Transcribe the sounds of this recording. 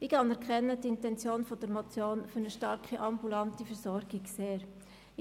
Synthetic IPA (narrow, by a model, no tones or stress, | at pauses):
ɪkɑnɛɾkχɛnːətɪntɛnt͡sjoːnfɔd̥əɾmot͡sjoːnfʏɾnəʃtɑɾkiʔɑmbulɑntifəɾsɔɾɡɪɡseːɾ